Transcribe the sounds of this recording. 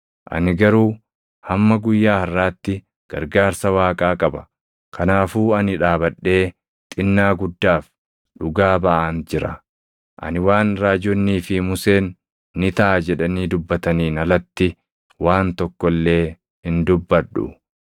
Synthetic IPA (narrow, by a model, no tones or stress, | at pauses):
ʔɐ̰nɪɡɐɾuː | hɐmːɐɡʊjːaːhɐrːaːt̪ːɪ | ɡ̥ɐ̰ɾɡaːɾsɐwaːkʼaːkʼɐbɐ̥ | kʰɐnaːfuːɐnɪᶑaːbɐɗːe̞ː | t̪ʼɪnːaːɡʊd̪ːaːf | ᶑʊɡaːbɐʔɐnd͡ʒɪɾɐ̰ | ʔɐ̰nɪwaːnɾaːd͡ʒɔnːiːfɪmʊseːnː | ɪt̪ɐʔad͡ʒɛᶑɐniːd̪ʊbːɐt̪ɐniːnɐlɐt̪ːɪ | waːnt̪ɔkːɔlːe̞ː | hɪnd̪ʊbːɐᶑːʊ̰